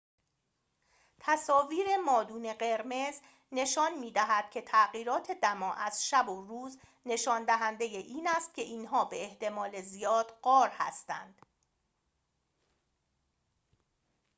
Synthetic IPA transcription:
t̪ʰæsɒːviːɾe̞mɒːd̪uːne̞ɢe̞ɾme̞z | ne̞ʃɒːnmiːd̪æɦæd̪̥̚cʰe̞t̪ʰæɣiːɾɒːt̪ʰe̞d̪æmɒːʔæz̥ʃæboruːz | ne̞ʃɒːnd̪æɦænd̪e̞jeʔiːnæst̪̚cʰe̞ʔiːnɦɒːbe̞eht̪e̞mɒːle̞zijɒːd̪̥ɢɒːɾhæ̰st̪æ̰nd̪̥

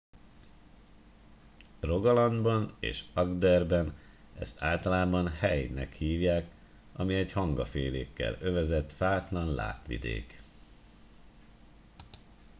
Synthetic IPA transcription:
ro̞ɡɒlɒnd̪bɒnḛːʃɒɡd̪ɛrbɛn | ɛ̰st̪aːlt̪ɒlaːbɒnhɛjnɛkhiːvjaːk | ɒmiɛɟhɒŋɡɒfeːleːkːɛ̰løvɛzɛt̪faːt̪lɒnla̰ːt̪ʋḭd̪ḛːk

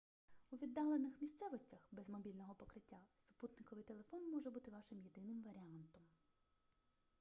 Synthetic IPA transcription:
uʋʲid̪ːɑlˠenɪxmʲist̪sɛʋɔsʲtʲɐxbɛzmɔbʲilʲnɔɦɔpɔkɾɪtʲːasʊ̥put̪nɪkɔʋɪjt̪elˠefɔnmɔʒɛbut̪ɪʋɑʃɪmjed̪ɪnɪmʋɐɾʲɪɑnt̪ɔm

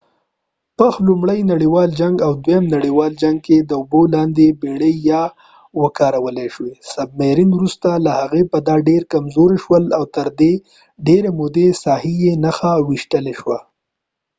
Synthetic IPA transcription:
pəxlumɽəjnaɽiwɑld͡ʒaŋɡawd̪wjamnaɽiwɑld͡ʒaŋɡ̚ked̪əʊbolɑnd̪ebeɽejɑ | wəkɑɾawəleʃwesab̚meɾinwɾust̪alahaɣepəd̪ɑɖeɾkamzoɾeʃwəlawt̪əɾd̪e | ɖeɾemʊd̪esɑhijenaxawiʃʈəleʃwa

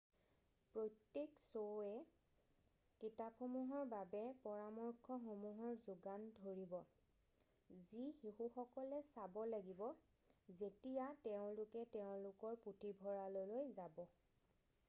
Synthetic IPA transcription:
pɹotːeksoɛ | kitapxomuɦɔɹbabɛpɔɹamɔɹkʰɔxomuɦɔɹzuɡandʱoɹibɔ | zixiɦuxɔkɔlɛsabɔlaɡibɔ | zetijateʊ̃lʊkɛteʊ̃lʊkɔɹputʰibʱɔɹalolojzabɔ

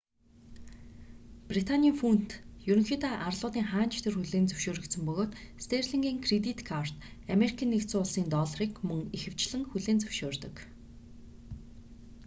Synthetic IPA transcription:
prit̪ʰanʲiiːŋfun̥t̪juɾɵ̆ŋxiːt̪aʔarɮʊːt̪iːŋχaːnt͡ɕʰt̪ʰĕrxuɮeːnt͡sɵ̥wʃoːɾɵ̆kt̪sə̆mpɵɣoːt̪st̪ʰerɮiŋɡiːŋkʰret̪it̪kʰar̥t̪ | ameɾikʰiːnːekt͡sʊːɮsiːnt̪ɔɮriːkmɵŋixɘ̆w̥t͡ɕɮɘ̆ŋxuɮeːnt͡sɵ̥w̥ʃoːrt̪ɵ̆k

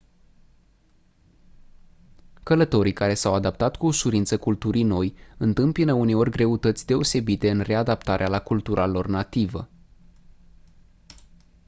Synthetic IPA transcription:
kələt̪o̞ɾijkaɾe̞sawad̪ap̚t̪at̪kuːʃuɾint̪səkult̪uɾijno̞jɨnt̪ɨmpinəune̞o̞rʲɡɾe̞ut̪ət̪sʲd̪e̞o̞se̞bit̪e̞ɨnre̞ad̪apt̪aɾʔealakult̪uɾʔalo̞rnat̪ivə̰

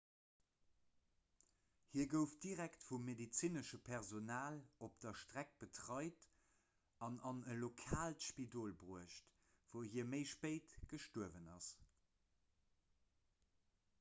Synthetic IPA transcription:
hiːɐɡəʊfd̥iʁæktfumːedit͡sinəʃəpʰɛʁzonaːlop̚d̥ɐʃtʁæk̚b̥ətʁɑɪt | ɑnɑnəlokʰaːltʃpidoːlbʁuəʃt | v̥əʊhiːɐməɪʃpeɪtɡ̥əʃtuəvənɑ̰s

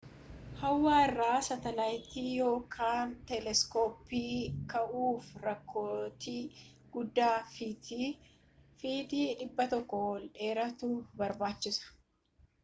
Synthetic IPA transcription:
hɐwːaːɪrːaːsɐt̪ɐlɐjɪt̪iːjo̞ːkʰaːnt̪ɛlɛskoːpːiːkɐʔuːfɾɐkʰːo̞ːt̪iː | ɡ̥ʊd̪ːaːfiːt̪iː | fiːd̪iːᶑɪbːɐt̪ɔkːɔwɔlᶑe̞ːɾɐt̪uːbɐɾbaːt͡ʃːɪsɐ̥

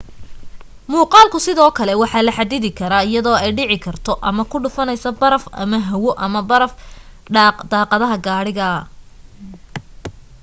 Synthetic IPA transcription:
muːqɑːlkʰʊsɪðɔːkʰɐlɛwɑħɑːlɐħɑd̪ɪðɪkʰɐɾaːɪjɐðɔːɛjɖɪʕɪkʰɐrt̪ʰɔʔɐmɐkʰʊɖʊfɐnɛjsɐbɐɾɐfɐ̰mɐɦɐwɔʔɐmɐbɐɾɐf | d̪̥ɑːqɑðɐɦɐɡaːɽɪɣɐɐ

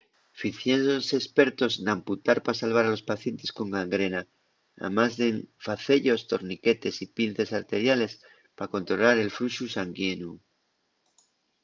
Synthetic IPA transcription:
fiθjensose̞spe̞ɾt̪o̞znamput̪aɾpasalβ̞aɾalo̞spaθje̞nt̪e̞sko̞ŋɡaŋɡɾe̞na | a̰mazðe̞ɱfaθe̞ʎo̞st̪o̞ɾnike̞t̪e̞sipinθe̞saɾt̪e̞ɾjale̞s | pako̞nt̪ɾo̞laɾe̞lfɾuʃusaŋɡjenu

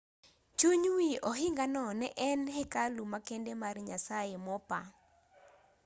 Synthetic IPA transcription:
t͡ʃuɲwiɔɦɪŋɡanɔnɛʔɛnɦekalumakendemarɲasajemɔpa

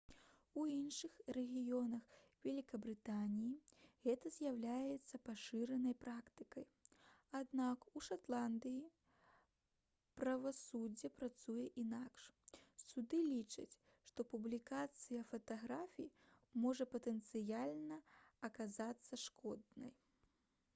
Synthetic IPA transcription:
uinʂɨxrɛɣʲijɔnɐxvʲɛlʲikɐbɾɨt̪anʲijiɣɛt̪ɐzʲjawlʲajɛt̪sːɐpaʂɨɾɛnɐjpɾakt̪ɨkɐj | ad̪nakuʂat̪lˠand̪ɨji | pɾɐvasud͡zʲːɐpɾat̪sujɛʔinakʂsud̪ɨlʲit͡ʂɐ̰t͡sʲ | ʂt̪ɔpublʲikat̪sɨjɐfɐt̪aɣɾafʲimɔʐɐpɐt̪ɛnt̪sɨjalʲnɐɐkazat̪sːɐʂkɔd̪nɐ̰j

